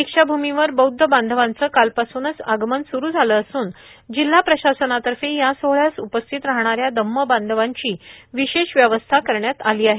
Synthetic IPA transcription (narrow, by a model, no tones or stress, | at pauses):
ikʂabʱumiʋəɾbəwd̪ʱːəband̪ʱəʋant͡səkalpasuːnəsaɡmənsuɾuːd͡zʱaləːsuːnd͡ʑil̤ːapɾəɕasənat̪əɾfẽjasoɦɭjasupəst̪ʰit̪ɾaɦɳ̃aɾjad̪əmːəband̪ʱəʋaɲt͡ɕiːʋiɕeɕʋjəʋəst̪ʰakəɾɳjat̪aliːaɦe